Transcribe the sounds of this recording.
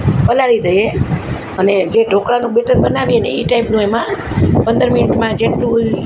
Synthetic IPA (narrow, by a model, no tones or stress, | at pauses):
pəlaɾid̪əje | əned͡ʒeʈokɽanũbeʈəɾbənaʋiəneiʈaipnũemã | pənd̪əɾminɪʈmãd͡ʒeʈːũ